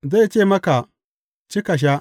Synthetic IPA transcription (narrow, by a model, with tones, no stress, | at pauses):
za˦˨jt͡ʃe˦˨mɐ˦ka˨ | t͡ʃi˦ka˨ʃ̬a˦